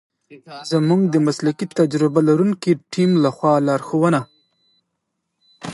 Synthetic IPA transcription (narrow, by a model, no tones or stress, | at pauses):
zamuŋɡd̪əmaslakit̪ad͡ʒɾɪbalaɾuŋkiʈʰimlaxwɑlɑɾxowəna